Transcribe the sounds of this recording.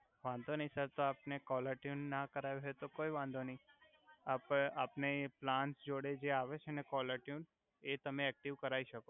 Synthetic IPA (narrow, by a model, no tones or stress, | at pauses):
ʋãnd̪ʱonəĩsəɾt̪oapnekɔləɾʈjunːakəɾajoɦet̪okoiʋãnd̪ʱonəĩ | apapneplãnʈsd͡ʒoɽed͡ʒeaʋet͡ʃʰenekɔləɾʈjun | et̪əmẽɛk̚ʈiʋkəɾaiʃəko